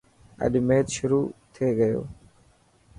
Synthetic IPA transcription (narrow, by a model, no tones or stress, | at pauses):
ə̰ɗmeːt̪ʃʊɾuːt̪ʰeːɡəjo̰ː